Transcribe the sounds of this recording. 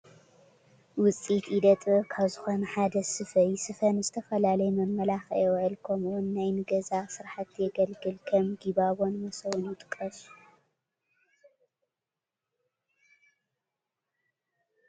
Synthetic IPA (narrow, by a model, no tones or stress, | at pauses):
wʊt͡sʼit̪id̪ɐt̪ʼɨkʰaβzɨxo̞nɐħad̪ɐsɨfɐjsɨfɐnzɨt̪ʰɐfɐlalɐjmɐmːɐlaxoʕɨlkʰɐmuwʊnːajnɨɡɐzasɨɾħat̪jɛɡɐlɡɨlkʰɐmɡiβaβo̞nmɐsɐwʊnjɪt̪ʼɨ̥kʼːɐsʼu̥